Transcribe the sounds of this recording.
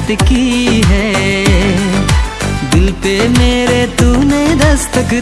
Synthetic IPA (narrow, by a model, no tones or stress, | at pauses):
t̪kiɦɛ | d̪ɪlpemeːɾet̪uːned̪ɐst̪ək